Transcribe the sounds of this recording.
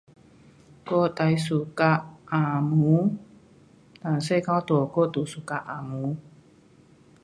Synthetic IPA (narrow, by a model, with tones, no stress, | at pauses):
ko˦˨t̪a˧˨jsu˧˨ka˧a˨mu˨˦ | t̪a˨nse˥˦˨kã˧wt̪u˨o˨ko˦t̪u˨su˨ka˧ʔa˨mu˨˦